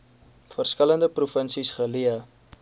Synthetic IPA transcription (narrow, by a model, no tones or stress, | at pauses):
fərskələndəprufənsisχəliə